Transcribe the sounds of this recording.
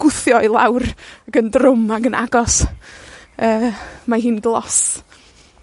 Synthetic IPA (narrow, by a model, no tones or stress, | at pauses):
ɡ̥ʊθjɔɪlˠa̰wraɡəndrʊmaɡəna̰ɡɔs | əːmaɦiːnɡlˠɔ̰s